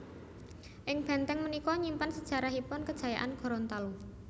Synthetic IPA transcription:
ʔɪŋb̥ɛ̤nt̪ɛŋmənikɔɲimpansəd̥ʒ̥a̤ɾaɦipʊnkəd̥ʒ̥a̤ja̰ʔanɡ̥ɔ̤ɾɔnt̪alu

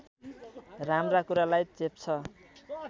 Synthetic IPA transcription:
ramrakuɾalajt͡sep̚t͡sʰʌ

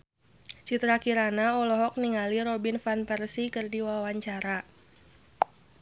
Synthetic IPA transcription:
t͡ʃit̪ɾakiɾanaɔlɔɦɔk̚niŋaliɾɔbinfanpɛrsikɨrdiwawaɲt͡ʃaɾa

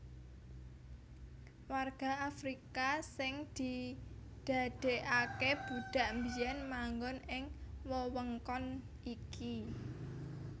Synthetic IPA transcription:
warɡ̥a̤afɾikasɪŋd̪̥i̤ | d̪̥a̤d̪̥e̤ʔakeb̥uɖ̥a̤ʔmbijanmaŋɡɔnɪŋwɔwəŋkɔn | ʔiki

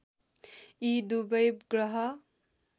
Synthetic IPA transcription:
id̪ubəjbɡɾʌɦʌ

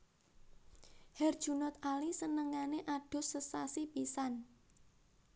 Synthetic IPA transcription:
hɛrd̥ʒ̥ṳnʊt̪̚alisənəŋaneʔaɖ̥ʊ̤səsasipisan

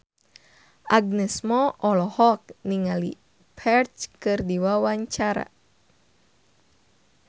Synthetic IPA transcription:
ʔaɡ̚nɛsmɔʔɔlɔhɔk̚niŋali | pʰɛrt͡ʃkɨrdiwawaɲt͡ʃaɾa̰

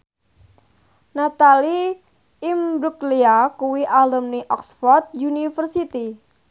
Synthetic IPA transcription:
nat̪ali | imbɾukliakuwiʔaləmniʔɔksfɔrt̪̚junifərsit̪i

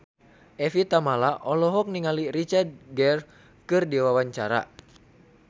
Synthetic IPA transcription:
ʔɛfit̪amalaʔɔlɔɦɔk̚niŋalirit͡ʃard̪̚ɡɛr | kɨrdiwawaɲt͡ʃaɾa̰

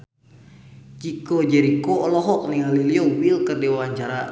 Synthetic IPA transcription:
d͡ʒikɔd͡ʒɛɾikoɔlɔɦɔk̚niŋaliliɔwilkərdɛwaɲt͡ʃaɾa

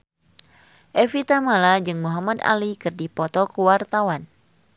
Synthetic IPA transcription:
ʔɛfit̪amalad͡ʒɨŋmuɦamad̪a̰likɨrdipɔt̪ɔkəwart̪awan

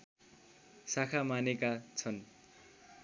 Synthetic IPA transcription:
sakʰamanekat͡sʰʌn

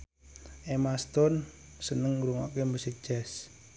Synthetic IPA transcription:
ʔemast̪ɔnsənəŋɾuŋakemusɪk̚d͡ʒ̥ɛs

